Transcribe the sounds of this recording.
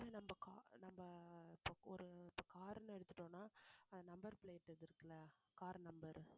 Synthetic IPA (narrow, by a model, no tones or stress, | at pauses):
ʋeːnɐmbɐkaːnɐmbɐɪpːoːɔɾɯɪpːoːkaːɾnɯɛɽɯt̪ːɯʈːõːnaːɐðɐnɐmbɐɾpɪɭeːʈːɐðɪɾɯkːɐlɐ | kaːɾnɐmbɐɾ